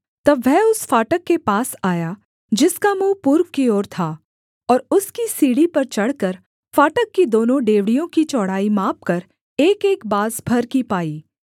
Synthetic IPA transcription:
t̪ɐbʋɛɦʊsfaːʈəkːepaːsaːja | d͡ʒɪskamũːpuːɾʋkioːɾt̪ʰaː | ɔːɾʊskisiːɽipɐɾt͡ʃɐɽkɐɾ | faːʈəkːid̪oːnõɖeːʋɽijõkit͡ʃɔːɽ̤aːimaːp̚kɐɾ | eːkeːkbaːzbʱɐɾkipaːiː

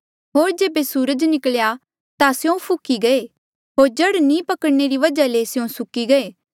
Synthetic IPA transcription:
ɦoːɾd͡ʒeːbesuːɾəd͡ʒnɪkəlja | t̪asjõpʰʊkiɡɐe | ɦoːɾd͡ʒɐɽnĩpɐkəɽneɾiʋɐd͡ʒalesɪjõsʊkiɡɐeː

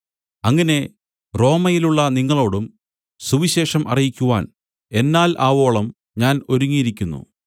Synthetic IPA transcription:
ɐŋːɐne̞ | ro̞ːmɐjiluɭːɐniŋːɐɭo̞ːɽum | suʋiɕe̞ːʂɐmɐ̰rijikʲːuʋaːn | e̞nːaːlʔaːʋo̞ːɭɐm | ɲaːno̞ɾuŋːijiɾikʲːunːṵ

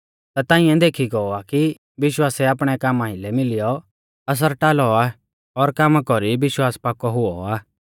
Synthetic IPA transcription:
t̪at̪ãːɪ̃ɛ̃d̪eːkʰiɡɔɔaki | ʋɪʃwaːsɛaːpɽ̃ɛkaːmãːilɛmɪlɪjɔ | ɐs̬əɾʈaːlɔa | ɔɾkaːmakɔɾiʋɪʃwaːspaːkɔɦʊɔaː

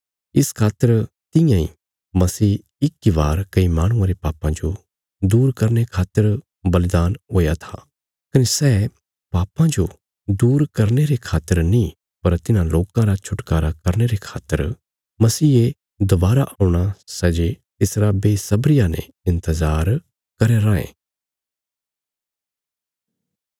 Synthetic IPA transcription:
ɪskʰaːt̪ːəɾ | t̪ɪ̃jãḭ | mɐsiː | ɪkiʋaːɾkɐimaːɽ̃ʊ̃ãɾepaːpãd͡ʒo | d̪uːɾkɐɾnekʰaːt̪ːəɾ | bɐlɪd̪aːnɦoːjat̪ʰa | kɐnesɛː | paːpãd͡ʒo | d̪uːɾkɐɾneɾekʰaːt̪ːəɾnĩ | pɐɾt̪ɪnãloːkãɾat͡ʃʰʊʈkaːɾakɐɾñeɾekʰaːt̪ːəɾ | mɐsiːe | d̪ɐbaːɾaʔaʊɽ̃asɛːd͡ʒet̪ɪsɾabeːsɐbɾɪjanɛ̰̃ | ɪ̃nt̪əzaːɾ | kɐɾeɾãːḛ̃ː

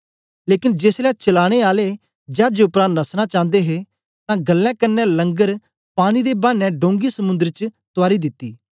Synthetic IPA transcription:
leːkɪnd͡ʒeːslɛːt͡ʃəlaːɽ̃eːaːle | d͡ʒaːd͡ʒeʊpɾãːnnəsnat͡ʃãːnd̪eɦe | t̪ãɡɐlːɛ̃kɐɾnɛ̃lɐ̃ŋɡəɾ | paːɽ̃id̪ebaːnɛ̃ɖõːŋɡisəmʊ̃nd̪əɾt͡ʃt̪ʊaːɾid̪ɪt̪ːiː

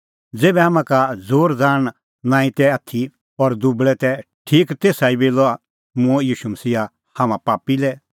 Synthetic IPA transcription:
d͡zeːbɛɦãmãkad͡zoːɾd͡zãː | nãːĩt̪ɛat̪ʰi | ɔɾd̪ubɭɛt̪ɛ | ʈʰiːkt̪eːsaːibeːlɔa | mʊ̃ɛjiːʃumɐsiːa | hɐmãpaːpilɛ

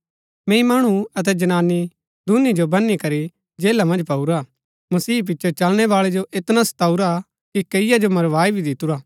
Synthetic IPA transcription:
mɛ̃ːĩmaːɽ̃uɐt̪̬ɛd͡ʒɐnaːnːi | d̪unid͡ʒobɐnːikɐɾi | d͡ʒeːlamɐ̃nd͡ʒpɐuɾa | mɐsiːp̬ɪtːt͡ʃʰot͡ʃɐlɽ̃ɛʋaːɭɛd͡ʒoʔɪt̪nasɐ̥t̪aːuɾa | kikɐɪjad͡ʒomɐɾʋaːibʱid̪ɪt̪uɾaː

